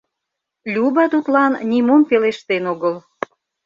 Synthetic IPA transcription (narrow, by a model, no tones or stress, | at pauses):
lʲubɑt̪ut̪lɑnnʲimompeleʃt̪enoɣəl